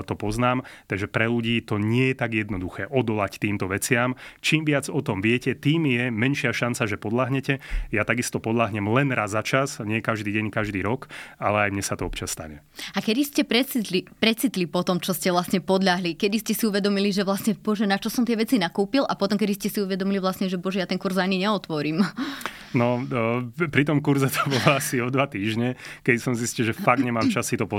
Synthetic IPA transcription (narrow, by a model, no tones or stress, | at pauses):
t̪ɔpɔznaːmt̪aɡʒɛpɾɛluɟiːt̪ɔɲɪɛjɛt̪aɡjɛd̪nɔd̪uxɛːʔɔd̪ɔlact̪iːmt̪ɔʋɛt͡sɪamt͡ʃiːmʋɪad͡zɔt̪ɔmʋɪɛcɛt̪iːmjɛmɛnʃɪaʃant͡saʒɛpɔd̪laɦɲɛcɛjat̪aɡist̪ɔpɔd̪laɦɲɛmlɛnɾazat͡ʃazɲɪɛkaʒd̪iːɟɛɲkaʒd̪iːɾɔkalɛajmɲɛsat̪ɔɔpt͡ʃɪasːt̪a̰ɲɛ | akɛd̪iscɛpɾɛt͡sit̪lipɾɛt͡sit̪lipɔt̪ɔmt͡ʃɔscɛʋlasɲɛpɔd̪ʎaɦlikɛd̪iscɛsiuʋɛd̪ɔmiliʒɛʋlasɲɛbɔʒɛnat͡ʃɔsɔmt̪ɪɛʋɛt͡sinakuːpilʔapɔt̪ɔmkɛd̪iscɛsiuʋɛd̪ɔmiliʋlasɲɛʒɛbɔʒɛjat̪ɛŋkuɾzaɲiɲɛɔt̪ʋɔɾim | nɔ | pɾit̪̬ɔmkuɾzɛt̪ʰɔ̥bɔlɔasiɔd̪ʋat̪iːʒɲɛkɛd̪isɔmziscilʒɛfaɡ̚d̪ɲɛmaːmt͡ʃasit̪ɔpɔ